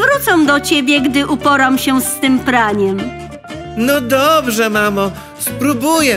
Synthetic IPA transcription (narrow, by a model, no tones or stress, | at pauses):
vɾut̪sɛw̃d̪ɔt͡ɕebʲjɛɡd̪ɘʔupɔɾamɕɛst̪ɘmpɾaɲɛm | nɔd̪ɔbʐɛmamɔ | spɾubujɛ